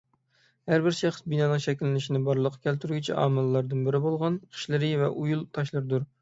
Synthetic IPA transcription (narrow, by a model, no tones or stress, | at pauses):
hæɾbɪɾʃæχə̥sbinɑnɨŋʃɛkʲilːɪnɪʃinɪbɑɾlˠəqʰːɑ̥kʲʰælt̪yɾɡʲit͡ʃʰɛ̰ʔɑ̰ːmɨlˠːɑɾd̪ɨnbɪɾɪbolˠʁɑnqʰə̥ʃlɪɾɪvɛ̰ʔujulˠt̪ʰɑʃlˠɨɾɨd̪uɾ